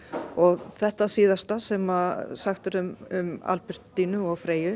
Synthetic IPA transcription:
ɔɣθɛht̪asiːðast̪asɛmasaxt̪ʏɾʏmʏma̰lpɪɾ̥t̪ːinʏɔɣfɾeːjʏ

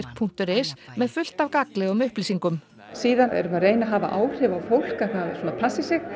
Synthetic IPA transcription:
r̥k̚pʰun̥t̪ʏɾɪsmɛðfʏl̥t̪avkaklɛɣʏmʏhpliːsiŋkʏm | siːðanɛ̰ɾʏmaðreːjnaɦaːva̰ʔaːwr̥ɪvawfowl̥kaθaðsɔnapʰlasɪsɪx

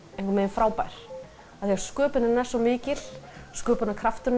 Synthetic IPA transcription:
ẽhŋkvaɾmɛðɪnfɾaːwpajɾ̥ | aθiaɾ̥skœːpɪnɪɾnɛsːɔmɪːcɪl̥skœːpʏnakʰɾaft̪ʏn

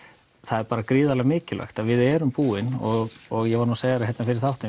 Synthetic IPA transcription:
θaðɛɾpaːɾakɾiːðalaɣamɪːcɪla̰jxt̪aðvɪðɛːɾʏmpuːɪnɔɣɔɣjɛvaɾnuseːjɣaɾhɦɛt̪nafɪɾɪɾ̥θawht̪ɪ

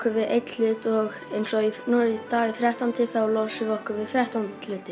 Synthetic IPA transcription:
kʏvɪðejt̪l̥ʏːt̪ɔɣejnsɔinuːɾit̪aːiθɾɛht̪ant̪ʰɪθawlɔːsɪvɔhkʏvɪðθɾɛht̪ant̪lʏːt̪ɪ

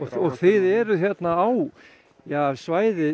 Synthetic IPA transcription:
ɔɣθɪðɛɾʏθjɛt̪naːw | jasvaːjðɪ

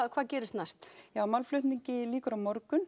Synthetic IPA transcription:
kʰvaːðcɛːɾɪst̪nast̪jaːwmalflʏht̪niɲcɪliːkʏɾawmɔɾkʏn

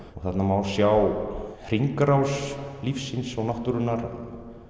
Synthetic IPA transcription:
ɔɣθat̪namawɾsjawhr̥iŋkɾawslifsːinsawnaht̪uɾʏnːaɾ

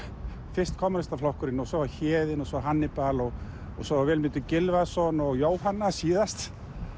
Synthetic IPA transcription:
fɪr̥st̪̚kʰɔmaɾɪst̪aflɔwhkʏɾɪnɔsɔaçɛːðɪnɔsɔɦanːɪpalɔɣ | ɔsɔavɛːlmɪːt̪ʏcɪlvaðsɔnɔɣjoːwhanːasiːðast̪

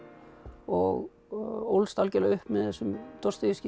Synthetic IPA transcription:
ɔɣ | owlst̪alcɛlaʏhpmɛðθɛsːʏmt̪ɔrst̪ɪiscɪ

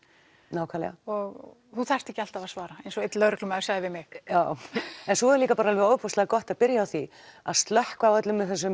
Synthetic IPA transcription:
naːwkʰaːlɛ̰a̰ɔɣ | θuθar̥t̪ɛcːɪal̥t̪avasvaːɾaẽjnsɔɪt̪lœːɾɪklʏmasaɣðɪvɪmɪɣjaːwɛnsɔɛɾliːkapaɾaɛlvɪoːwpʰɔslaɣkɔht̪aðpɪɾjaawθi | a̰ðst̪lœhkvaːwœt̪lʏmɪθɛs̬ːʏm

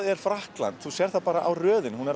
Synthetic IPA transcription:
ðɛɾ̥fɾahkla̰nt̪θusjɛːɾ̥θapaːɾaʔawrœːðɪnhunɛɾ

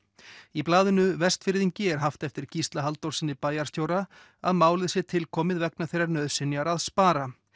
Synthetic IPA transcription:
iplaːðɪnʏvɛst̪fɪɾðiɲcɪɛɾ̥ɦaft̪ɛft̪ɪɾ̥cist̪laɦalt̪owɾ̥sɪnːɪpaːjaɾst̪joːwɾa | aðmaːwlɪðsɪt̪ʰɪlkʰɔːmɪðvɛknaθejɾaɾnœðsɪnːjaɾaðspaːɾa

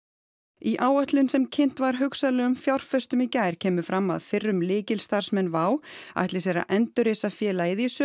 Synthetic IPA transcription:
iʔaːwœht̪lʏnsɛmcʰɪn̥t̪vaɾ̥ɦʏksalɛːɣʏmfjawr̥fɛst̪ʏmicaːjɾ̥cʰɛːmʏfɾamːa̰ðfɪrːʏmlɪːcɪlst̪ar̥smɛnːvaːwa̰ht̪lɪsɛɾa̰ʔɛnt̪ʏɾeːsafjɛːlajɪðɪisœ

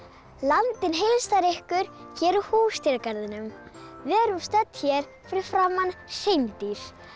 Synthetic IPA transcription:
lant̪ɪnɦejlst̪aɾehkʏɾ̥çɛːɾʏhuːst̪jɛɾkaɾðɪnʏmvɛːɾust̪œt̪çɛɾ̥ | fɪɾɪfɾaːmːansejmt̪iɾ̥

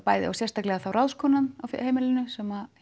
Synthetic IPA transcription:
paːjðɪ̰a̰wsjɛrst̪aklɛɣaθawɾawðskʰɔːnanawfheːjmɪlɪnʏsɛːma

